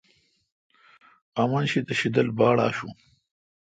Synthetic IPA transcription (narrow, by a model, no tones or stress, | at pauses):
amɐnɕid̪əɕid̪əlbɑːɽa̰ːʃṵ